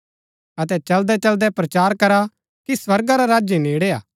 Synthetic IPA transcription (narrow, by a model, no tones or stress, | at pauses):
ɐt̪ɛt͡ʃɐld̪ɛt͡ʃɐld̪ɛpɾɐt͡ʃaːɾkɐɾa | kiswɐɾɡaɾaɾaːd͡ʒjeneːɽeːa̰ː